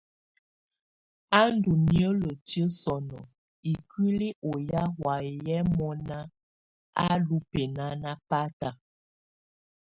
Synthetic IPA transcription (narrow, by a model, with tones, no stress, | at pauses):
a˦n˦du˨mjə˦lə˨tjə˦sɔ˨nɔ˨ | i˨kwi˦li˦ʔo˨ja˦ɦwa˨jɛ˦mɔ˦na˦ | a̰˦lu˦pe˨na˦na˦pa˦ta˨